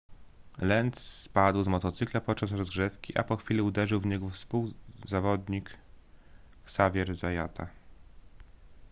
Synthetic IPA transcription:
lɛnt̪spad̪wzmɔt̪ɔt̪sɘklapɔt̪̚t͡ʂasɾɔzɡʐɛfkʲiʔa̰pɔxfʲilʲiud̪ɛʐɘwvɲɛɡɔfspuwzavɔd̪ɲik | savʲjɛɾzajat̪ʰa

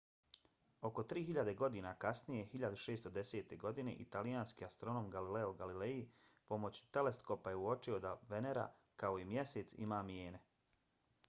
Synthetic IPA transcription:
o̞ko̞t̪ɾiːɦiʎad̪e̞ɡo̞d̪inakasnije̞hiʎad̪uʃe̞ːst̪o̞d̪e̞se̞ːt̪e̞ɡo̞d̪ine̞̰ʔit̪alijaːnskiast̪ɾo̞no̞ːmɡalileoɡalilejipo̞mo̞t͡ɕu̥t̪e̞le̞skopaje̞uo̞t͡ʃio̞d̪aʋe̞ne̞ɾa̰ | kao̞imje̞se̞ːt̪sḭmaːmjeːne̞

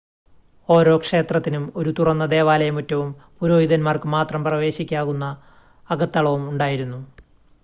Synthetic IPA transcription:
o̞ːɾo̞ːkʂe̞ːt̪rɐt̪ːinumo̞ɾut̪urɐnːɐd̪e̞ːʋaːlɐjɐmutːɐʋumpuɾo̞ːjiðɐnmaːrkɨmaːt̪rɐmprɐʋe̞ːɕikʲːaːɣunːɐː | ɡɐt̪ːɐɭɐʋumuɳɖaːjiɾunːu

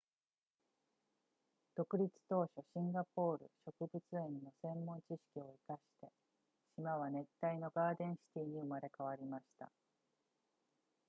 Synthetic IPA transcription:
d̪̥o̞kɯ̟ɾʲit͡sɨ̥t̪o̞ːɕo̞ɕĩŋɡapo̞ːɾɯ̟̰ɕo̞kɯ̟bɯ̟t͡sɨẽ̞nno̞sẽ̞mːõ̞ɲt͡ɕiɕi̥kʲio̞ikaɕi̥t̪e̞ | ɕimaβ̞anẽ̞t̪ːaino̞ɡaːd̪ẽ̞ɰ̃ɕi̥t̪ʲiːɲ̟iɯmaɾe̞kaβ̞aɾʲimaɕi̥t̪a̰

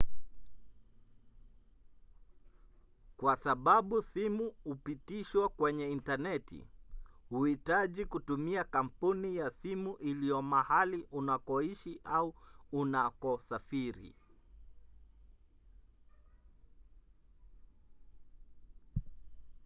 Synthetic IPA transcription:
kwasaɓaɓusimuhupitiʃwakwɛɲɛintanɛtḭhuhitaʄikutumiakam̩punijasimuʔilijɔmahaliʔunakɔiʃiʔauunakɔsafiɾḭ

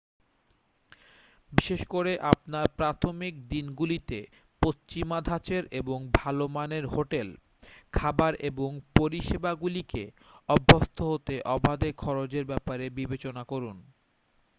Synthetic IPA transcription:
biʃeʃkoɾeʔapnaɾpɾat̪ʰomik̚d̪inɡulit̪e | post͡ɕimad̪ʱat͡ɕeɾeboŋbʱalomaneɾɦoʈel | kʰabaɾeboŋpoɾiʃebaɡulike | ɔbʱːost̪ʰoɦot̪eʔɔbʱad̪ekʰɔɾod͡ʑeɾbɛpaɾebibet͡ɕonakoɾun

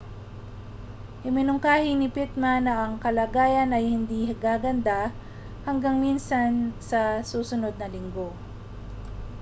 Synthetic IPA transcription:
hɪmɪnʊŋkaːhɪnɪpɪt̪̚manɐʔɐŋkɐlaɡaːjɐnɐjhɪnd̪ihɡaːɡɐnd̪a | hɐŋɡaŋminsɐnsɐsuːsʊno̞d̪̚nɐlɪŋɡo̞

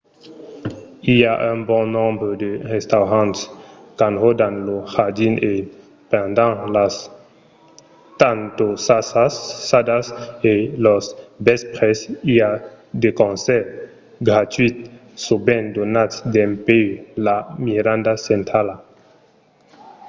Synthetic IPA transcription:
iaʔœ̃bɔ̃nɔ̃mbɾəd̪əʁest̪awʁãnt̪skãnʁod̪anlohad̪ine | pɛ̃nd̪ãlas | t̪ant̪osasasːad̪aselɔsbɛspʁesia | d̪ekõnsɛɾ | ɡɾat̪ɥit̪̚ | sobɛ̃nd̪onat̪sd̪ɛ̃mpelamiɾãnd̪asɛ̃nt̪ɾala

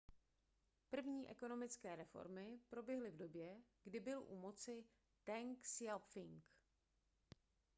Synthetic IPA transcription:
pr̩vɲiːʔɛko̞no̞mɪt͡skɛːɾɛfo̞̰ɾmɪpɾo̞bjɛɦlɪvdo̞bjɛɡdɪbɪlʔṵmot͡sɪ | t̪ɛŋksjafɪŋk

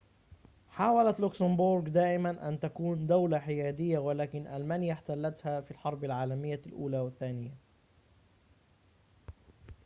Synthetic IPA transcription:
ħaːwalat̪lʊksambʊɾɡd̪aːʔɪmanʔa̰nt̪akuːnd̪awlaħɪjaːd̪ɪjːawalaːkɪnʔalmaːnjaħt̪alːat̪hafilħɑɾˤbalʕaːlamɪjːalʔuːlaːwɪθːaːnɪjːa

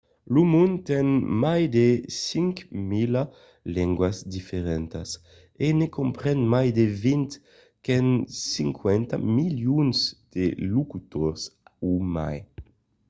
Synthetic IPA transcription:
lumũnt̪ɛnmajd̪esiŋkmila | lɛŋɡwasd̪ifeʁɛnt̪as | enekompɾɛnmajd̪evint̪ | kɛnsiŋkwɛnt̪a̰miljunzd̪̥elukut̪ɔɾsuma̰j

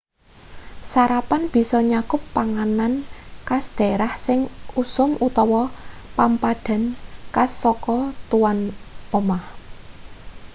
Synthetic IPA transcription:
saɾapanb̥i̤sɔɲakʊpːaŋanankasd̪̥e̤ɾahsɪŋusʊmut̪ɔwɔpampaɖ̥a̤nkasɔkɔt̪uwanomah

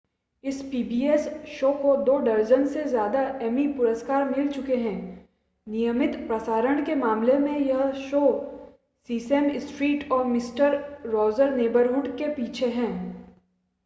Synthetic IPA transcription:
ɪspiːbiːɛsʃoːkod̪oːɖɐɾd͡ʒənsezjaːd̪aʔɛːmipʊɾəskaːɾmɪlt͡ʃʊkeɦɛ̃ː | nijəmɪt̪pɾɐsaːɾəɽ̃kemaːmlemẽjɐɦʃoː | siːsɛmɪsʈɾiːʈɔːɾmɪsʈəɾɾɔːzəɾneːbəɾɦʊːɖkepiːt͡ʃʰeɦɛ̃ː

